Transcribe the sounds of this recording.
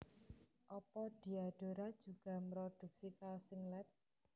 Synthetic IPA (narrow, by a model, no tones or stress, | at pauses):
ʔɔpɔd̥i̤ad̥oɾad̥d͡ʒʒ̥ṳɡ̥a̤mɾod̪̥ṳk̚sikalsiŋlɛt̪̚